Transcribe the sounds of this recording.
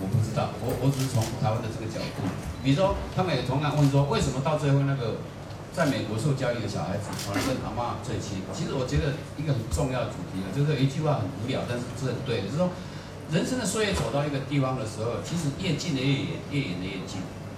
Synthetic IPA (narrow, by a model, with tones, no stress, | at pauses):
wɔ˨˩pu˥˩t͡sɻ̩˥t̪ɑ˥˩ʊwɔ˧˦wʔɔ˧˦t͡s̩˨˩˥t͡sʰʊ˧˥ŋt̪ʰa˧ɪwa˥˦nd̪ə˨t͡sə˥˩ɡə˩t͡ɕjɑ˨˩ʊt̪ṵ˥˩pi˨˩u˥wɔ˥t̪ʰa˥mə˧˦njɛ˨˩tʰɔ˧˥ŋkʰa˨˥nwə˥˧n̬˩wɔ˥we˥˩ɪs̬ə˧˥nmɔ˨˧t̪ɑ˥˧ʊt͡swe˥˧ho˥˧na˥˩ɡə˩ | t͡sa˥˩ɪme˨˩ɪkwɔ˧˥ʂo˥˧ʊt͡ɕjɑ˥˧ʊy˨˧˩d̪ə˨˩ɕjɑ˨˩a˧˥ɪd͡zɹ̩˨˩wa˥˩la˧˩wə˥˧nma̰˧˥ma˥˧t͡swe˥˧ɪt͡ɕʰi˥˩˨t͡ɕʰi˧˥ʂ̩˧˥wɔ˨˩t͡ɕɥɛ˧˥d̪ə˨ | i˦˥ɡə˨xə˨˩nʈ͡ʂʊ˥˧ŋjɑ˥˩ʊd̪ə˩t͡su˨˩t̪ʰi˨˥a˨˩t͡ɕjo˥˧ʊʂ̬ɻ̩˥˩y˧˥t͡ɕy˥˧xwa˥˩xə˨˩nu˧˥ljɑ˨˩ʊt̪a˥˧nʂɻ̩˥˧u˧˩t͡s̩ː˥˧ə˨˩nt̪we˥ɪ˨˩˥ʂwɔ˥ | ɻə˧˥nʂə˥nd̪ə˨swɔ˥je˧˥t͡so˨ʊt̪ɑ˥˧ʊi˦˥ɡə˨t̪i˥˧fɑ˥ŋd̪ə˨ʂɻ̩˧˥xo˥˨ʊt͡ɕʰi˧˥ʂ̬ɻ̩˧˥jɛ˥˧t͡ɕi˥˨nd̪ə˨˩jɛ˥˩jɛ̰˨˩˦njɛ˥˩jɛ̰˨˩nd̪ə˦jɛ˥˩nt͡ɕḭ˥˩n